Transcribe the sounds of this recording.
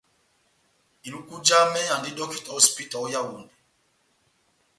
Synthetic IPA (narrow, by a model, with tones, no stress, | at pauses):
i˨ɾu˦ku˦d͡ʒa˦mɛ˦ã˨ndi˦dɔ˦ki˨tɔ˦spi˦ta˨ɔ˦ja˦wu˨ndi˨